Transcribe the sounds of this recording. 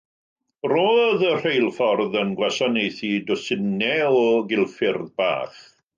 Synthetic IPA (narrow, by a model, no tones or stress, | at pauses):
roːðər̥ejlˠfɔrðənɡwɛsɔnejθidɔsɪnɛɔɡɪlˠfɪrðba̰ːχ